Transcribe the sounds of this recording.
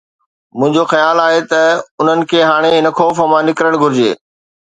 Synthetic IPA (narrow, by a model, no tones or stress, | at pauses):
mʊ̃ɦɪ̃ɲd͡ʑoxɐjaːlaːɦet̪ɐʊn̤ənɪ̆kʰeːɦaːɽ̃eɦɪnəkʰoːfəmãnɪkɾəɽ̃ɡʱʊɾɪd͡ʑḛː